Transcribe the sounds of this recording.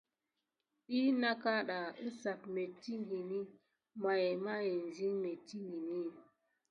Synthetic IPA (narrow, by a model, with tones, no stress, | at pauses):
ɗi˦na˦ka˦ɗa˨i˦sa˨tme˨ti˦ŋɡi˨ni˦ | ma˨je˨ma˦je˨n˨zi˦ŋme˨ti˦ŋɡi˨ni˦˨